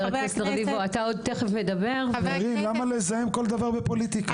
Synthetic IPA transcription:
aeseʁlivoat̪ao̞d̪̚t̪eχefmed̪abe̞ʁʁimlamalezajemko̞ld̪avaʁbepolit̪ika

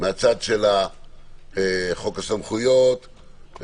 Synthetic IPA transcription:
meat͡sad̪ʃela | eχo̞kasamχujot̪

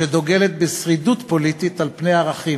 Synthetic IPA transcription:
ed̪o̞ɡelet̪̚besʁid̪ut̪po̞lit̪it̪alpne̞jaʁaχi

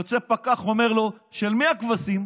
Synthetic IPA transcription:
ot͡sepakaχomeʁlo̞ʃelmiakvasim

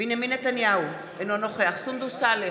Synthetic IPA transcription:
benjaminːet̪anjau | enonoχeaχsund̪usale

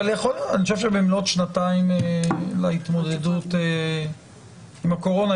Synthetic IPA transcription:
aleeχolaniχoʃeʃebemlot̪ʃnataimelait̪mo̞d̪edut̪e | imhako̞ʁo̞na

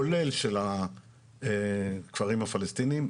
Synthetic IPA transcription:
ole̞lʃela | ekv̥aʁimhafalest̪inim

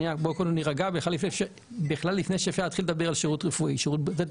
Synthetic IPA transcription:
iabokononiʁaɡabeχlalifneʃe | biχlalːifnejʃefeat̪χiled̪abeʁalʃeʁutʁefuʔiʃeʁut̚bze

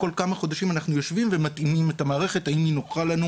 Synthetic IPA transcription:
ko̞lkamaχo̞daʃimanaχnujo̞ʃvimve̞matimime̞tamaːʁe̞χe̞taiminoχalanu

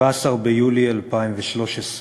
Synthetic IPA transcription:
aːsaʁbejulialpaimveʃlo̞ʃes

